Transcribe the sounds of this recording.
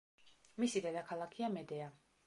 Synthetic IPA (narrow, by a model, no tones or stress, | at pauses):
misid̪ɛd̪akʰalˠakʰiamɛd̪ɛa